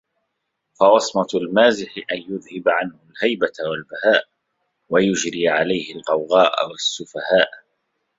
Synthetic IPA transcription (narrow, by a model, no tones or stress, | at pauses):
fɑwɑsˤmɑlmaːzɪħɪʔanjʊðhɪbaʕanhʊlhajbat̪awalbahaːʔ | wajʊd͡ʒɾiːʕalajhɪlqɑwɣaːʔa̰wasːʊfahaːʔ